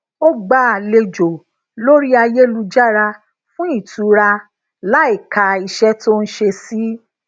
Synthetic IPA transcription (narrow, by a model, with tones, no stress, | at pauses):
o˦ɡ͡ba˧˦˨le˧d͡ʒo˨ | lo˦ɾi˦a˧je˦lu˧d͡ʒa˦˨ɾa˧ | fũ˦i˦˨tu˨˦ɾa˧ | la˦i˦˨ka˧i˧ʃɛ˦to˦n̩˦ʃe˧si˦